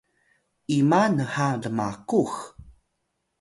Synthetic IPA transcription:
ʔimanəhaləmakux

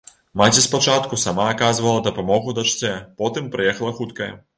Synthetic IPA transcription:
mat͡sʲispat͡ʂat̪kusamaːkazvɐlˠɐd̪ɐpamɔɣud̪ɐt͡ʂt͡sʲɛpɔt̪ɨmpɾɨjɛxɐlˠɐxut̪kɐjɐ̰

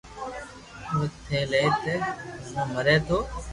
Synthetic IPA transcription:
oːt̪ʰeːleːt̪eːsũːməɾeːt̪ʰoː

